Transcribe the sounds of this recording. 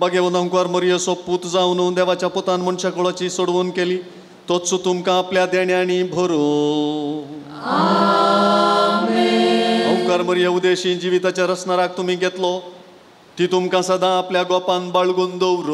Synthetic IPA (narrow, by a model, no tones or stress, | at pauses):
baɡeʋə̃nd̪ə̃ŋkʋaɾməɾjəsopuːt̪d͡zaʋnuːd̪eʋat͡ɕjapɔt̪anmənɕakɔɭat͡ɕiːsoɽʋunkeliː | t̪ot̪sut̪umkãːpljad̪eɳjaɽ̃ibʱəɾo | əŋkʋaɾməɾjəud̪eɕiːnd͡ʑiʋit̪at͡ɕjaɾəsnaɾak̚t̪um̤iːɡʱet̪lɔ | t̪it̪umkãsad̪ʱãːpljaɡɔpãnbaɭɡund̪oʋɾo